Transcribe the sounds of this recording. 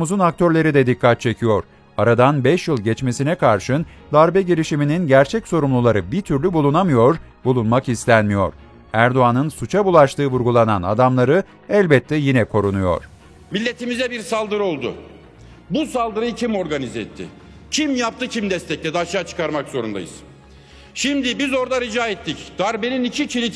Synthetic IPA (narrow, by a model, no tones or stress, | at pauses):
muzunak̚t̪ʰø̞ɾlʲe̞ɾid̪ɛd̪ikʰːat̪̚t͡ʃʰe̞cʰijo̞ɾ | aɾad̪anbɛʃjɯlˠɟɛt͡ʃme̞sinɛkʰaɾʃɯn | d̪aɾbɛɟeɾʲiʃimininɟæɾt͡ʃʰɛcso̞ɾumlˠulˠaɾɯbiɾt̪ʰyɾlʲybulˠunamɯjo̞ɾ | bulˠunmakist̪ʲænmijo̞̰ɾ̥ | æɾd̪o̞anɯnsut͡ʃʰabulˠaʃt̪ʰɯːvuɾɡulˠanana̰d̪amlˠaɾɯ | ɛlʲbɛt̪ʰːɛjinɛkʰo̞ɾunujo̞̰ɾ̥ | milʲːe̞t̪ʰimizɛbiɾsalˠd̪ɯɾo̞lˠd̪ʊ̰ | busalˠd̪ɯɾɯjɯcʰimo̞ɾɡanizɛt̪ʰːɪ̰ | cʰimjap̚t̪ʰɯcʰimd̪ɛst̪ʰɛc̚lʲɛd̪ɛaʃaːt͡ʃʰɯ̥kaɾmakzo̞ɾund̪a̰jɯz̥ | ʃimd̪ɪbizo̞ɾd̪aɾid͡ʒaːɛt̪ːicd̪̥aɾbeninicʰit͡ʃʰilʲi